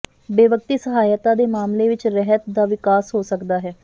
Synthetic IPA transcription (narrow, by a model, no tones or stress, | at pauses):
beːʋək̚t̪iːsəɦaːjət̪ãːd̪eːmaːmleːʋɪt͡ʃɾɛɦət̪d̪aːʋɪkaːsɦoːsəkd̪aːɦɛː